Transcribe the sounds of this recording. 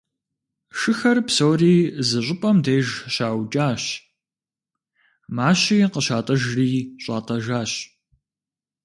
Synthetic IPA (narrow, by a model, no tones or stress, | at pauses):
ʃɨxɐrpsoːriːzɨɕʷʼʊpʼɐmdeːʒɕaːwt͡ʃʼaːɕ | maːɕiːqəɕaːtʼɐʒriːɕʼa̰ːtʼɐʒaːɕ